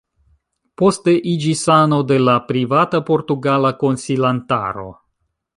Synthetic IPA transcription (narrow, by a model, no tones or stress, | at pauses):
po̞ste̞ʔid͡ʒisano̞de̞lapɾivatapo̞ɾtuɡalako̞nsilanta̰ɾo̞̰